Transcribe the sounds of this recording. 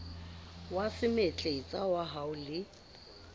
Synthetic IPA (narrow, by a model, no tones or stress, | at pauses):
wasɪmet͡ɬʼet͡sʼawaɦaʊlɪ